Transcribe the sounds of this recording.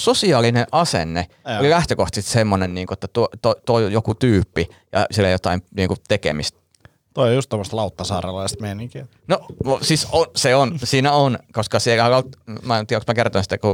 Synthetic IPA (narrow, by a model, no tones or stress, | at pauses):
sosiɑːlineʔʔɑsḛnːe | olilæht̪økoht̪ist̪semːonenniːŋkuet̪ːæt̪uot̪ot̪oijokut̪yːpːijɑ̰silːæjot̪ɑimniːŋkut̪ekḛmist̪̚ | t̪oijust̪omːost̪lɑut̪ːɑsɑːrɑlɑist̪meiniŋki | noʔosisonseonsiːnæonkoskɑsielhælɑlt̪mɑt̪iæoksmækert̪oinsi̥t̪ːæku